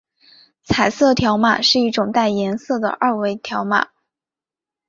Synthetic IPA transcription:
t͡sʰa˨˩ɪsɤ˥˩t̪ʰjɑ˧˥ʊma̰˨˩ʂɻ̩˥˧i˥˩ʈ͡ʂʊ˨˩ŋt̪a˥˩ɪjɛ˧˥nsɤ˥˩d̪ə̰˩ʔɐ˥˧we˥˩ɪt̪ʰjɑ˧˥ʊma̰˨˩˦

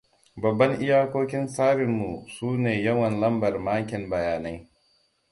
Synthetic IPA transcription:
bɐ˨bːɐ˦ŋʔɪ˦jaː˦kʷoː˦kʲɪ˦nsaː˦ɾɪ˨mːu˨suː˦neː˨jɐ˦wɐ˨nlɐ˦mbɐ˨rmaː˦kʲɪ˨mbɐ˨jaː˨na˦j

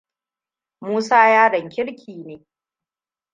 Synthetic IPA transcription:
muː˦saː˦jaː˦dɐ˨ŋkʲɪ˦ɽkʲʰiː˨neː˨

